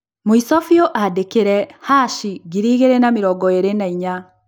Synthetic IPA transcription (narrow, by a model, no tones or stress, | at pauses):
moisɔfjɔʔadekeɾɛhaʃiɡiɾiːɣeɾɛnamiɾɔɡɔeɾenaiɲa